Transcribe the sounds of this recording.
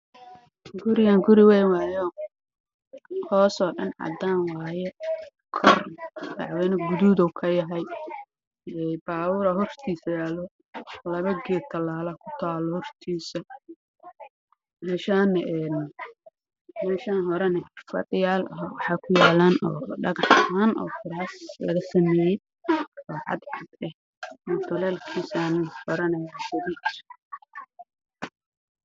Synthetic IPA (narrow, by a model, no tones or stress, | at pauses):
ɡʊɾɪɣaŋɡʊɾɪwɛːjwaːjɔ | hɔːsɔːɖɐnʕɑ̰d̪aːnwaːjɛ | kʰɔrdɑ̰ʕwɛːnɐɡʊd̪uːd̪ɔwkʰɐjɐɦɐj | ɛjbaːwʊːɾɐɦɔrt̪ʰiːsɐjaːlɔ | lɐβɐɡɛːt̪ʰɐlaːlɐkʰʊ̥t̪ʰaːlɔhɔrt̪ʰiːsɐ | mɛːʃaːnɛʔɛːn | mɛːʃaːnɦɔɾɛnɛfɐ̰d̪ɪjaːlɐɦwɑħɑːkʰʊjaːlaːnɔ̰ːɖɐɣɐħaːnʔɔ̰ːfʊɾaːslɐɣɐsɐmɛːjɛ | ɔːʕɑ̰d̪ʕɑd̪ɛh | mɔt̪ʰɐlɛːlkʰiːsanɪbɐɾɐnɐjaːsɐdiks